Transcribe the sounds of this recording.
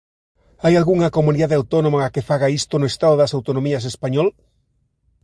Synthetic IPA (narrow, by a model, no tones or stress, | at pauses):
ajalɣuŋakomuniðaðeawt̪ɔnõmaakefaɣaist̪onoest̪aðoðɐsawt̪onõmiɐs̬espaɲɔl